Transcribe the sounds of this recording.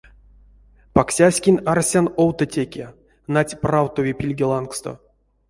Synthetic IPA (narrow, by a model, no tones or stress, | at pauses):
paksʲasʲkʲinʲarsʲanowt̪ətʲekʲe | natʲprawt̪ovʲepʲilʲɡʲelˠankst̪o̰